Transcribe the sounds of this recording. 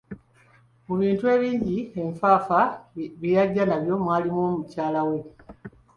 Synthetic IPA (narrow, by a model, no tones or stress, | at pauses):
kuβiːntue̞ːβiːɲɟie̞ɱfaːfaβijaɟːanaβjo̞mwaːlimomucaːlawe̞